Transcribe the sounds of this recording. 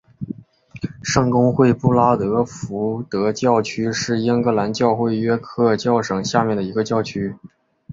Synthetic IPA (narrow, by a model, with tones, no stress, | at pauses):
ʂɤ˥˩ŋkʊ˥ŋxwe˥˧ɪpu˥˩la˥t̪ɤ˧˥fu˧˥t̪ɤ˧˥t͡ɕjɑ˥˩ʊt͡ɕʰy˥ʂɻ̩˥˩i˥ŋkɤ˧˥la˧˥nt͡ɕjɑ˥˧ʊxwe˥˩ɪɥɛ˥kʰɤ˥˧t͡ɕjɑ˥˩ʊʂɤ˨˩ŋɕja˥˧mjɛ˥˩nd̪ə˩i˧˥ɡə˧t͡ɕjɑ˥˩ʊt͡ɕʰy˥